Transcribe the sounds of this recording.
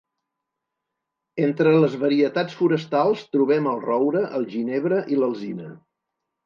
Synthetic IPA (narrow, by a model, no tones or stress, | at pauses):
ent̪ɾələzβəɾiət̪at͡sfuɾəst̪alˠst̪ɾuβɛməlˠrɔwɾəʔəlˠʒineβ̞ɾəʔiləlˠzinə